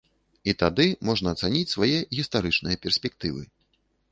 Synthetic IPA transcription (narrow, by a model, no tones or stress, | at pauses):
it̪ad̪ɨmɔʐnɐːt̪sanʲit͡sʲsvajɛɣʲist̪aɾɨt͡ʂnɨjɐpʲɛrsʲpʲɛk̚t̪ɨvɨ̰